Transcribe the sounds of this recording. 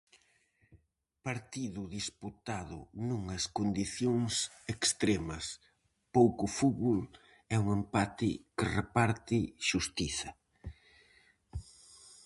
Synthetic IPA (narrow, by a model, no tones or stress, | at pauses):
paɾt̪iðʊðisput̪aðʊ̰nuŋɐskond̪iθjoŋs | ekst̪ɾemɐs | powkʊfuβul | ɛuŋempat̪ɪkɪrepaɾt̪ɪʃust̪iθɐ